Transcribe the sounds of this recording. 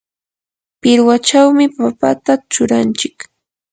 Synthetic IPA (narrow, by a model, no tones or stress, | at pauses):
pɪɾwat͡ʃawmɪpapat̪at͡ʃʊɾant͡ʃɪk